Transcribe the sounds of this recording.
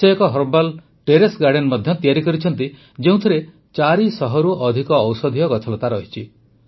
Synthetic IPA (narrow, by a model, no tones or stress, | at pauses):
ɔjɔkɔɦɔɾbal | ʈeɾesɡaɾɖenmɔd̪ʱjɔt̪ijaɾikɔɾit͡ʃʰɔnt̪i | d͡ʒeũt̪ʰiɾe | t͡ʃaɾisɔɦɔɾuʔɔd̪ʱikɔːwsɔd̪ʱijɔɡɔtʰɔlɔt̪aɾɔɦit͡ʃʰi